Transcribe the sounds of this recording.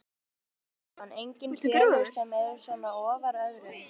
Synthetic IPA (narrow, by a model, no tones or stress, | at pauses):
hanːejɲcɪnfɛɪ̥sɛmɛðʏɾ̥sœːmaɔːvaɾœɣɾɪ